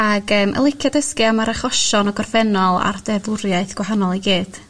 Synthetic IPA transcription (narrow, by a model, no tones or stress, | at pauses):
aɡəːmʔə̰lˠɪkʰjadəskiamaɾaχɔʃɔnɔɡɔrfɛnɔlˠa̰rdɛvʊɾjaɨθɡ̥waɦanɔlˠiɡiːd̥